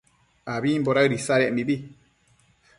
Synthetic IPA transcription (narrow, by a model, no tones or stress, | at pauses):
aβimboɾaɨɾisaɾemiβi